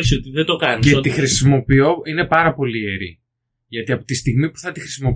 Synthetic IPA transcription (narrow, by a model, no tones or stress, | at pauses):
sot̪iðed̪okɐnicset̪ixɾisimo̞pio̞ine̞pɐɾɐpo̞lieɾḭ | ʝɐt̪iɐpo̞t̪ist̪iɣmipu̥θɐt̪ixɾisimo̞p